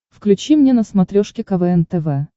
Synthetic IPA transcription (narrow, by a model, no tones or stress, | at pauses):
fklʲʉt͡ɕimnʲenəsmɐt̪ɾʲoʂkʲɪkɐvɛɛnt̪ɛvɛ